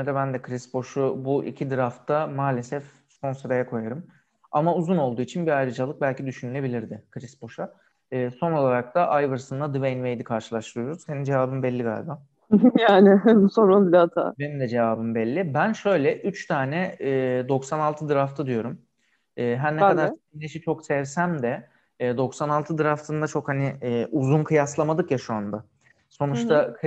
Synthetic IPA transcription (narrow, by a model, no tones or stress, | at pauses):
d̪ɛbænd̪ɛkʰɾisbo̞ʃubuʔḭcʰid̪ɯɾaft̪ʰamaːlʲe̞sɛf | skʰo̞nsoɾejakʰo̞jaɾɯm | a̰mauzuno̞lˠd̪uːit͡ʃʰinbiajɾɯd͡ʒalˠɯk̚bælʲcʰid̪yʃynylʲe̞bilʲiɾd̪ɪkʰɾisbo̞ʃa | ɯːso̞no̞lˠaɾak̚t̪ʰaʔajvɯɾsɯnd̪ad̪ɯvenvejd̪ikʰaɾʃɯ̥lˠaʃt̪ʰɯɾɯjo̞ɾuz̥se̞nind͡ʒe̞vaːbɯmbɛlʲːiɡa̰ːlʲba | jaːnɪsoɾanˠbilʲat̪ʰa̰ːbenimd̪ɛd͡ʒe̞vaːbɯmbɛlʲːibænʃø̞jlʲɛʔyt͡ʃt̪ʰaːnɛːd̪o̞ksanalˠt̪ʰɯd̪ɯɾaft̪ʰɯd̪ijo̞ɾum | ɛːɦænɛkad̪aɾseimleʃit͡ʃʰo̞ksɛvsæmd̪ɛ | d̪o̞ksanalˠt̪ʰɯd̪ɯɾaft̪ʰɯnd̪at͡ʃʰo̞khanɪːʔuzunkʰɯjaslˠamad̪ɯkjaʃuand̪a | so̞nut͡ʃt̪ʰak